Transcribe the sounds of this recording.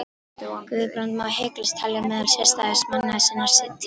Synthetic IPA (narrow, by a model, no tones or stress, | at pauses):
kvɪðpɾant̪maːheːklɪst̪ʰaljamɛðʏlsjɛ̥st̪aðɪsmanːaðɪsɛnːaɾ̥sɪt̪ː